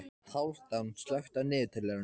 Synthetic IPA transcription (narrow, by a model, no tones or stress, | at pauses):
hawl̥t̪anst̪lœɥxt̪anɪːðt̪ʰɪlːɛɾʏn